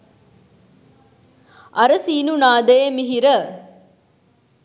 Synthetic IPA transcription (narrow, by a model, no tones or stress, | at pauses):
ɐɾəsiːnunaːd̪ejmiɦiɾə